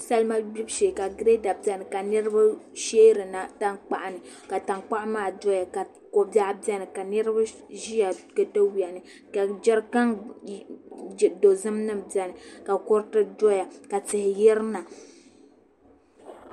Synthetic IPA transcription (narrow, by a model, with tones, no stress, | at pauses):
sa˦lma˦bi˦bʃeː˨ka˨ɡɾe˦da˨b̚bɛ˦nɨ˨ka˨nɨ˦ɾɨ˦ba˦ʃeː˦ɾɨ˨na˨ta˦ŋk͡pa˨ʔa˨nɨ˨ka˨ta˨ŋk͡pa˦ʔmaː˦˨dɔ˦ja˨ka˨ | ko˨ba˦ʔba˦nɨ˨ka˨nɨ˦ɾɨ˦ba˦ | ʒi˦ja˨kɨ˨ta˦wi˨a˨nɨ˨ | ka˨d͡ʒɛ˦ɾka˦ŋ˨ | do˨zɨ˦mnɨ˦mba˨nɨ˨ka˨kɔ˦ɾtɨ˦dɔ˦ja˨ka˨tɪ˨hɪ˨jɛ˦ɾɨ˦na˨